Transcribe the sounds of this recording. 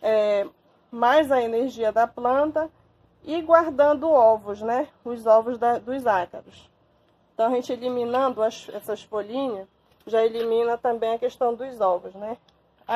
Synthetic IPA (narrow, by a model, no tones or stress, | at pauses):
ɛ | majzɐeneɾʒiɐd̪ɐplɐ̃t̪ɐ | ɪɡwaɾd̪ɐ̃nd̪ʊɔvʊznɛ | ʊzɔvʊzd̪ɐd̪ʊzakɐɾʊs | ẽt̪ɐ̃w̃ɐʒẽt͡ʃɪelimĩnɐ̃nd̪ʊɐʃɛsɐʃfolĩɲɐ | ʒaelimĩnɐt̪ɐ̃mbẽj̃ɐkeʃt̪ɐ̃w̃d̪ʊzɔvʊznɛ